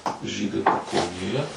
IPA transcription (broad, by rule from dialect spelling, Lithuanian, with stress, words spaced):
ˈʒʲiːdɐɪ pɐkɐʊnʲeːˈjɛ